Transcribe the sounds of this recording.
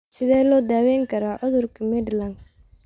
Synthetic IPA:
sɪðɛːlɔːd̪aːwɛːŋkʰɐɾaːʕʊðʊrkʰɐmɛd̪lɐn

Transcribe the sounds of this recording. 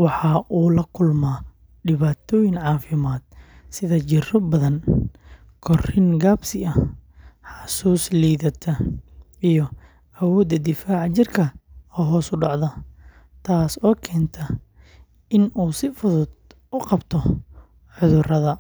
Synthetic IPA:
wɑħɑʔuːlɐkʰʊlmaː | ɖɪβaːt̪ʰɔːjɪŋʕɑːfɪmaːd̪̥sɪðɐt͡ʃɪrɔbɐðɐn | kʰɔrɪŋɡaːbsɪɐ | ħɑsuːsliːðɐt̪ʰɐijɔ | ɐwɔːd̪ɐd̪ɪfaːʕɑt͡ʃɪrkʰɐɔːɦɔːsʊɖɑʕðɐ | t̪ʰaːsɔːkʰɛːnt̪ʰɐ | ɪnuːsɪfʊðʊd̪ | ʊqɑbt̪ʰɔ | ʕʊðʊrɐðɐ

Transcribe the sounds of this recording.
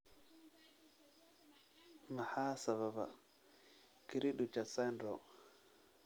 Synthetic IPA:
mahaːsaβaba̰ | kiɾiɗut͡ʃasɛndɔ

